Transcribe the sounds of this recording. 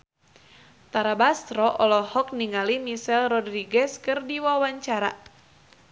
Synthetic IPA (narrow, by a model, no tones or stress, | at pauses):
t̪aɾabast̪ɾɔʔɔlɔhɔk̚niŋalimisɛlrɔdriɡɛskɨrdiwawaɲt͡ʃaɾa